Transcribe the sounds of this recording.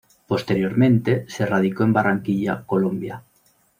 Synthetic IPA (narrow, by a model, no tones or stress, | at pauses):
post̪eɾjoɾmẽnt̪eserað̞ikoembaraŋkiʎakolõmbja